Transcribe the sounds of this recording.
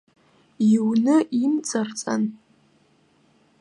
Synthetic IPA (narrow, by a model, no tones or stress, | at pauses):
iwnɨʔimt͡sʼart͡sʼa̰n